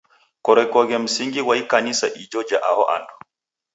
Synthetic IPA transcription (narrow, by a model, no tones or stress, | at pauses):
kɔɾɛkɔɡɛm̩siŋɡiwaikanisaʔid͡ʒɔd͡ʒaʔahɔʔa̰ndɔ